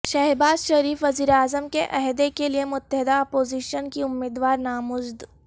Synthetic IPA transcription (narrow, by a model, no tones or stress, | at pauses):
ʃɛɦbaːzʃɐɾiːfʋɐziːɾeaːzəmkeʔɐɦd̪ekeliemʊt̪ːəɦɪd̪aɔːpoːziːʃənkiʊmːiːd̪ʋaːɾnaːmʊd͡ʒd̪